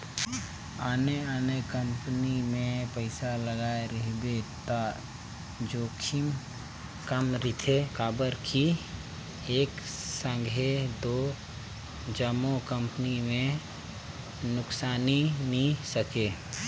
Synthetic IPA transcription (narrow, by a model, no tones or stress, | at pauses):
aːneaːnekə̃mpnimẽpəɪsaləɡaːeɾəɦbet̪a | d͡ʒoːkʰim | kəmɾɪt̪ʰekaːbəɾkʰi | eːksə̃ŋɡʱed̪oː | d͡ʒəmokə̃mpənimẽ | nʊksaːninisəkeː